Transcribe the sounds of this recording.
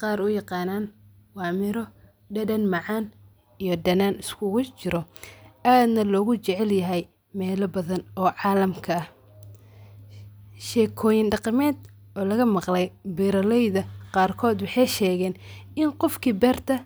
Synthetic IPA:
qɑːɾʊjɑqɑːnaːn | wɑːmɪɾɔ | ɖɐdɐnmɑʕɑːn | ijɔɖɐnaːnɪskʰʊɣʊt͡ʃɪɾɔʔaːd̪nɐlɔːɣʊt͡ʃɛʕɛljɐɦɛj | mɛːlɐbɐðɐnɔːʕɑːlɐmkʰɐɐh | ʃɛːkʰɔːjɪnɖɑqɑmɛːd̪ | ʔɔːlɐɣɐmɑqlɛjbiɾɐlɛjðɐqɑːrkʰɔːd̪wɑħɑjʃɛːɣɛːnɪnqɔfkʰibɛːrt̪ʰɐ

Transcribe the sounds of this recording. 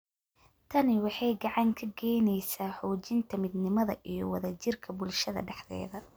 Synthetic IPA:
t̪ʰɐnɪwɑħɑjɡɑʕɑŋkʰɐɡɛjnɛjsaːħuːt͡ʃɪnt̪ʰɐmɪd̪nɪmɐðɐ̰ʔijɞwɐ̰ðɐt͡ʃɪrkʰɐbʊlʃɐðɐ̰ɖɛħðɛ̰ːðɐ

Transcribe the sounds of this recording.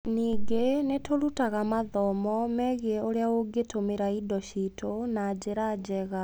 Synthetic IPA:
niːɡenetoɾutaɣamaðɔmɔmɛɣiɛoɾeaoɡetomeɾaidɔɕitonad͡ʑeɾad͡ʑɛɣa

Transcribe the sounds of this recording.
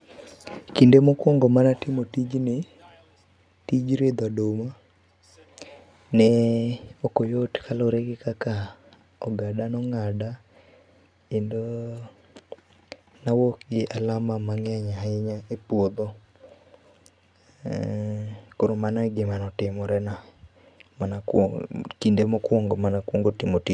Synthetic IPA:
kindemokwɔŋɡɔmanatɪmotid͡ʒnɪ | tid͡ʒɾed̪adoma | nɛ | okojotkʰaloɾeɡɪkaka | ɔɡadanɔŋada | endo | nawokɡɪʔalamamaŋaɲaɪɲaepwod̪o | koɾomanaɡɪmanɔtɪmɔɾɛna | manakkindemɔkwoŋɡomanakwoŋɡotimoti

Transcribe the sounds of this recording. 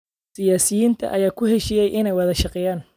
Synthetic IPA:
sɪjaːsɪjiːnt̪ʰɐ̰ʔɐjaːkʰʊhɛʃijɛjʔɪnɛjwɑðɐʃɑqɛːjaːn

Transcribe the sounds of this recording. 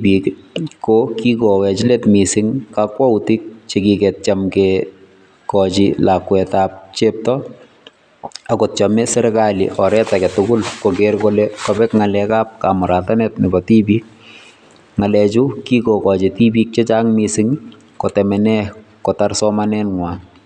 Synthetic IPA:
bikkːokikɔwɛt͡ʃletmisɪŋkakwautik̚t͡ʃekikɛt̚t͡ʃamke | kɔt͡ʃḭlakwɛtaːp̚t͡ʃep̚tɔ | akott͡ʃɔmɛsɛɾkalḭʔɔɾɛtakɛtʊɡʊlkokeɾkolɛkɔbɛkŋalɛkaːp̚kamʊɾatanɛtnɪbɔtibik̚ | ŋalɛt͡ʃukikokɔt͡ʃitibik̚t͡ʃet͡ʃaŋmisɪŋ | kotɛmɛnɛkɔtarsɔmanɛnŋwa

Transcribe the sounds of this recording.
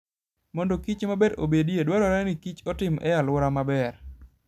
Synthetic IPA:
mɔndɔkit͡ʃmabeɾo̰bediedwaɾɔɾɛnɪkit͡ʃɔtɪmʔɛjalwɔɾamabɛɾ

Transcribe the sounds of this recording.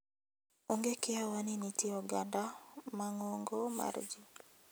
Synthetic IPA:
oŋɡekɪawaninitiɔɡandamaŋoŋɡoma̰rd͡ʒi

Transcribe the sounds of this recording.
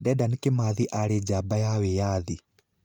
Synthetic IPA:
dɛdankemaðiʔaɾed͡ʒabajawɛjaːði

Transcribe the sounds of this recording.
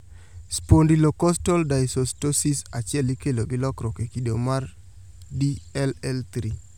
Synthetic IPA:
spondilokɔstɔldajsostosisat͡ʃjɛlikeloɡɪlɔkɾɔkekidomar | diɛlɛlt̪ɾi

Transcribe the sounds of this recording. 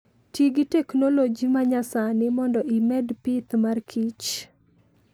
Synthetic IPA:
tiɡitɛknolod͡ʒimaɲasanɪmɔndɔʔimɛdpit̪markʰit͡ʃ

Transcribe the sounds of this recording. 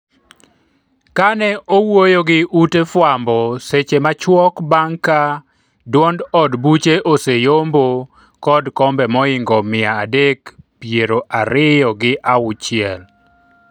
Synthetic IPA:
kanɛʔowojoɡɪutefwambɔset͡ʃemat͡ʃwɔkbaŋka | dwɔndɔdbut͡ʃeʔosejombo | kɔdkɔmbɛmɔɪŋɡɔmɪaːdekpjeɾoʔaɾɪjɔɡɪʔaʊt͡ʃɪɛl

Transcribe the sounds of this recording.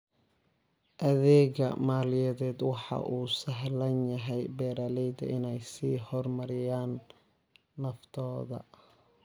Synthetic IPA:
ʔɐðɛːɣɐ̰maːlɪjɐðɛːd̪wɑħɑ̰ʔuːsɐɦlɐnjɐɦɛjbɛːɾaːlɛjd̪ɐ̰ɪnɛjsiːhɔrmɐɾɪjaːnː | ɐft̪ʰɔːðɐ̰

